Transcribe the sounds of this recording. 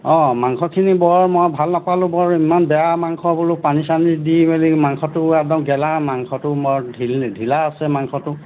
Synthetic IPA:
ɔ̃maŋkʰɔkʰinibɔɹmɔjbʱalnapalʊ̃bɔɹimanbɛjamaŋkʰɔbulʊpanisanidibelimaŋkʰɔtʊɛk̚dɔmɡɛlamaŋxʰɔtʊmɔdʱildʱilaːsɛmaŋkʰɔtʊ

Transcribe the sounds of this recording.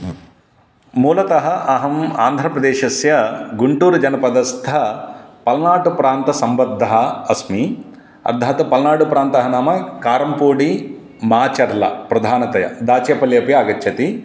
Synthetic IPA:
muːlɐt̪ɐɦɐʔɐɦɐmaːnd̪ʱɾɐpɾɐd̪eːʃɐsjɐɡuɳʈuːɾud͡ʒɐnɐpɐd̪ɐst̪ʰɐpɐlnaːʈupɾaːnt̪ɐsɐmbɐd̪ʱːɐɦɐɐsmi | ɐ̰d̪ʱːaːt̪ɐpɐlnaːɖupɾaːnt̪ɐɦɐnaːmɐkaːɾɐmpuːɖi | maːt͡ʃɐɾlɐ̰pɾɐd̪ʱaːnɐt̪ɐjɐ̰d̪aːt͡ʃeːpɐljɐpjɐːɡɐtːt͡ʃʰɐt̪i

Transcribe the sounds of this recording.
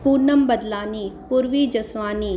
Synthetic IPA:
puːɾnəmbɐd̪laːniːpuːɾʋiːd͡ʒɐsʋaːniː

